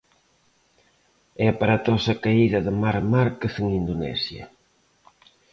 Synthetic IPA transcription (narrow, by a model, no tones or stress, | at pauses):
ɛpaɾat̪ɔsɐkaiðɐðɪmaɾmaɾkeθɪŋind̪onɛ̰sjɐ̰